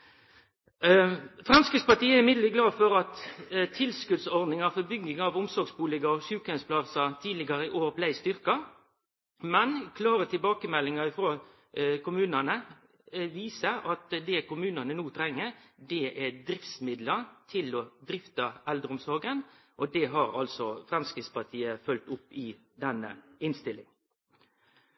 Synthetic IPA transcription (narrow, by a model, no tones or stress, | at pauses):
fɾɑnskɪspɑʈ̪iːəɛɾɪmɪd̪ləɡlɑːfɔɾɑt̪t̪ʰɪlskʉd̪sɔʁd̪nɪŋɑfɔbʏɡɪŋɑʋʊmsɔɡsbuːlɪɡəɔʃʉːkənspʰlɑsɑt̪ʰiːd̪lɪɡɑɾəɪʔoːɾblæɪst̪ʏɾkɑ | mɛnkʰlɑːɾət̪ʰɪlbɑːkəmɛlɪŋɑɪfɾoː | kʊmʉːnɑnə | ʋiːsəɾɑt̪d̪ɛkʊmʉːnɑnənuːt̪ʰɾɛŋːəɾd̪ɛʔɛd̪ɾɪft̪smɪd̪lət̪ʰɪlɔd̪ɾɪft̪ɑʔɛld̪ɾəʊmsɔɾɡənʔɔd̪ɛɦɑɾɑ̰lsɔfɾɑnskəspɑt̪ʰiːəfœlt̪ʊpːɪ | d̪ɛnːə̰ɪnst̪ɪlɪŋ